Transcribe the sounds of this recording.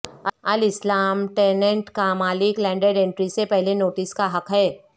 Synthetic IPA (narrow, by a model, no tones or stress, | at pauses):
ɐlɪslaːmʈeːnə̃ɳʈkamaːlɪklɛ̃ːɳɖeɖẽːɳʈɾisepɛɦlenoːʈɪskaɦɐkɦɛː